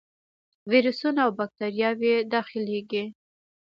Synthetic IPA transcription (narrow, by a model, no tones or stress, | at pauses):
wiɾusunaawbak̚t̪aɾjɑwed̪ɑxɪleɡi